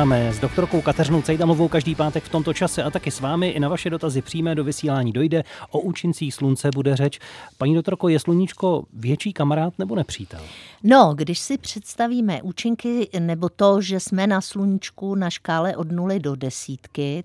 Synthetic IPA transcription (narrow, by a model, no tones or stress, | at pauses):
amɛzdo̞k̚t̪o̞ɾko̞wkat̪ɛrɪnowt͡sɛjt̪amluvowkaʒdiːpaːt̪ɛkft̪o̞mt̪o̞t͡ʃasɛʔat̪akɪsvaːmɪʔɪnavaʃɛdo̞t̪azɪpr̥ijmɛdo̞vɪsiːlaːɲiːdo̞jdɛʔoʔuːt͡ʃɪnt͡siːxslunt͡sɛbudɛrɛt͡ʃpaɲiːdokt̪o̞ɾkojɛsluɲɪt͡ʃko̞vjɛt͡ʃiːkamaɾaːt̪nɛbo̞nɛpr̝̥iːt̪ɛ̰lno̞ɡdɪʃsɪpr̝̥ɛt̪st̪aviːmɛʔuːt͡ʃɪŋkɪnɛbo̞t̪oʒɛsmɛnasluɲɪt͡ʃkunaʃkaːlɛʔo̞dnulɪdo̞dɛsiːt̪kɪ